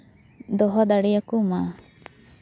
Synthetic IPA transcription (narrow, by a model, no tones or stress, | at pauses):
d̪ɔɦɔd̪aɽijakuma